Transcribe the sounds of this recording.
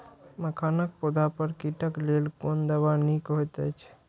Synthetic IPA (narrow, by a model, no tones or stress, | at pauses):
məkʰanək̚pod̪apəɾkiʈəklelkond̪əbanikɦojt̪ət͡ʃʰ